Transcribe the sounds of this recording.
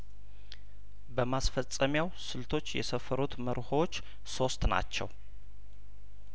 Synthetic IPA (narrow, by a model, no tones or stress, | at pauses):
bəmasfət͡sʼːəmjawsɨlt̪ʰo̞t͡ʃːjɛ̰səfəɾut̪məɾhoot͡ʃː | so̞st̪na̰t͡ʃːɛ̰w